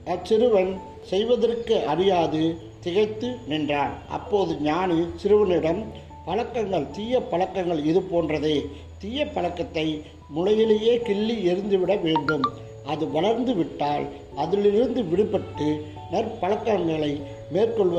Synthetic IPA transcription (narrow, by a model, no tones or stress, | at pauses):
ɐt͡ʃːɪɾɯʋɐn | sɛjʋɐðɐrkɯʔɐɾɪjaːðɯ | t̪ɪɣɐɪt̪ːɯnɪndraːnʔɐ̰pːoːðɯɲaːnɯsɪɾɯʋɐnɪɽɐm | pɐlɐkːɐŋɡɐɭt̪iːjɐpːɐɭɐkːɐŋɡɐɭɪðɯpoːndrɐðeː | t̪iːjɐpːɐɻɐkːɐt̪ːɐɪ | mʊlɐjɪleːjeːkɪɭːiɪɾɯnd̪ɯʋɪɽɐʋeːɳɖɯm | ʔɐðɯʋɐɭɐɾnd̪ɯʋɪʈːaːl | ʔɐðɪlɪɾɯnd̪ɯʋɪɽɯpɐʈːɯ | nɐrpɐɭɐkːɐŋɡɐɭɐɪ | meːrkɔɭʋɐ